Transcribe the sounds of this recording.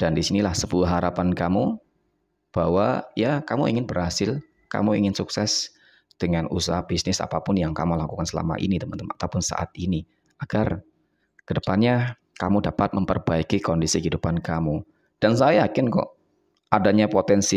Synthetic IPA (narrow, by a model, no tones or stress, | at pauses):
d̥andisinilahsəbuaɦaɾapankamu | b̥awajakamuḭŋɪnbəɾhasɪl | ka̰muḭŋɪnsuksɛs | d̥əŋanṵsaɦab̥isnɪsa̰papʊnjaŋka̰mulakukansəla̰ma̰ʔḭnit̪əmənt̪əmat̪awpʊnsa̰ʔa̰t̪̚ini | aɡ̥ar | kədəpanɲa | kamudapat̪̚məmpərbaikikondisikəɦidupankamu | d̥ansajakɪnkɔ̰ʔ | ʔadaɲapot̪ɛnsi